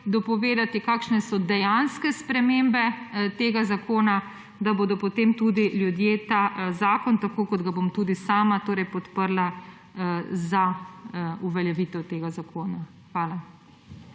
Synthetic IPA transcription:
d̪ɔpɔʋeːd̪at̪ikaːkʃnɛsɔd̪ɛjanskɛspɾɛmembɛt̪eːɡazakʰoːna | d̪aboːd̪ɔpɔt̪emt̪ud̪iljud̪jeːt̪aːzaːkɔnt̪akoːkɔd̪ɡabomt̪uːd̪isaːmat̪oːɾɛjpɔt̪pəɾla | za | uʋɛljɛʋiːt̪ɛwt̪eːɡazakʰoːna | xʋaːla

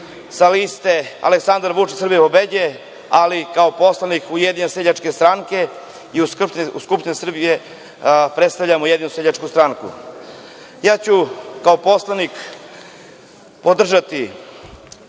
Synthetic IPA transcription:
salist̪e̞a̰leksand̪aɾʋut͡ʃisɾr̩bijepobed͡ʑe | alikaopo̞slanikujed̪ineseʎat͡ʃke̞st̪ɾaŋke̞ | iuskt̪uskupʃt̪inesr̩bije̞ | pɾet̪st̪aʋʎamojed̪inuseʎat͡ʃkust̪ɾaŋkṵ | jaːt͡ɕukaopo̞slˠanik | po̞d̪r̩ʒat̪i

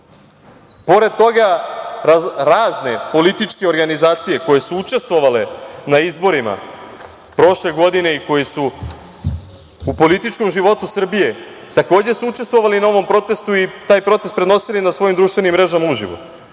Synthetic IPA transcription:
po̞ɾe̞d̪̚t̪o̞ɡaaɾaːzne̞po̞lit̪it͡ʃke̞o̞ɾɡanizaːt̪sije̞ko̞je̞suut͡ʃe̞st̪ʋo̞ʋale̞naizbo̞ɾima̰ | pɾo̞ʃle̞ɡo̞d̪ine̞iko̞jesu | po̞lit̪it͡ʃko̞mʒiʋo̞t̪usr̩bije̞ | t̪ako̞ːd͡ʑesuut͡ʃe̞st̪ʋo̞ʋalinao̞ʋo̞mpɾo̞t̪e̞st̪uit̪aːjpɾo̞t̪est̪̚pɾeno̞silinasʋo̞jimd̪ɾuʃt̪ʋe̞nimːɾe̞ʒamauʒḭʋo̰

